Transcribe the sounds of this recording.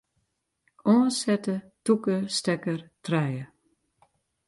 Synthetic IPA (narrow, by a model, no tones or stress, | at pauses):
ʔɔːəsɛtə | tukəstɛkərtrɛjə